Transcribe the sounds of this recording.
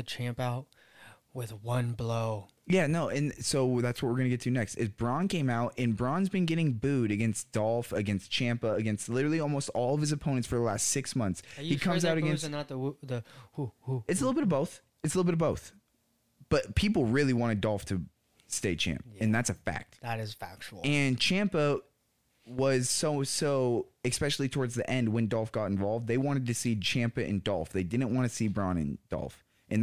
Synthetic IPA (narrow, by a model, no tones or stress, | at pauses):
ɨt͡ʃʰæ̃mpaʊt̚ | wɪðwʌ̃nbloʊ | jænoʊʔɨ̃nsoʊðætswʌt̚wə˞ɡʌñɨɡɛtʰɨnɛkstɨzbɹɑ̃nkʰẽɪ̃maʊtʔɨ̃nbɹɑ̃nzbɨ̃nɡɛɾɪ̃ŋbʉɾɨɡɛ̃nsd̥ɔlˠfɨɡɛ̃nst͡ʃʰæ̃mpəɨɡɛ̃nstˡlɪɾə˞l̩ˠiɔlˠmoʊstɔlˠʌv̥ɨzɨpʰõʊ̃nɨ̃ntsfə˞ðəlæstsɪksmʌ̃nθshikʰʌ̃mzaʊɾɨɡɛ̃nsnət̪̚ðəðɨhuhuɨtsəlɪɾl̩ˠbɪɾʌvboʊθ | ɨtslɪɾl̩ˠbɪɾʌvboʊθ | b̥ʌt̚pʰipl̩ˠɹɪlˠiwɑ̃ɾ̃ɨdɔlˠftʰɨ | steɪt͡ʃʰæ̰̃mpɨ̃nðætsɨfæ̰k̚t̚ðɨɾɨz̥fæk̚t͡ʃl̩ˠɨ̃nt͡ʃʰæ̃mpə | wʌz̥soʊsoʊɨspɛʃl̩ˠitʰɔɹdzðiʔɛ̃nd̚wɨ̃ndɔlˠfɡ̥ɑɾ̃ɱ̩vɑlˠvd̪̚ðeɪwɑ̃ɾ̃ɨd̚tɨsit͡ʃʰæ̃mpɨʔɨ̰̃ndɔ̰lˠfðeɪdɪdⁿn̩ʔwɑ̃ñɨsibɹɑ̃ñɨ̰̃nd̥ɔ̰lˠf | ʔɨ̃n